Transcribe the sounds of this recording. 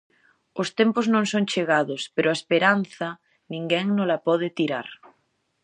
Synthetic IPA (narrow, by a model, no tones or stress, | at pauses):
ost̪empoznõŋsoŋt͡ʃeɣaðospeɾʔoaespeɾanθa | nĩŋɡɛŋnolapɔð̞et̪iɾaɾ